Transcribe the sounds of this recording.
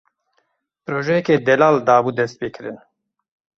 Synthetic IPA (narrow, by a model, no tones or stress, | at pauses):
pɾoːʒɛjɛkeːd̪ɛlaːld̪aːbud̪ɛst̪̚peːkɨɾɨn